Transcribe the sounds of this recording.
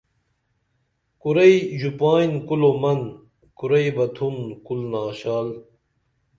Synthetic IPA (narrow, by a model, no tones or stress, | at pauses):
kuɾɐiʑupaːjnkulomɐn | kuɾɐijbɐt̪ʰunkulnaːɕaːl